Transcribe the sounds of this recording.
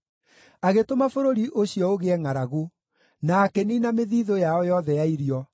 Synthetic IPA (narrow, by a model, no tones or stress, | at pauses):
aɣetomafoɾoɾiʔoɕiɔoɣeɛŋaɾaɣu | naːkɛninameðiːðojaɔjɔðɛjaiɾjɔ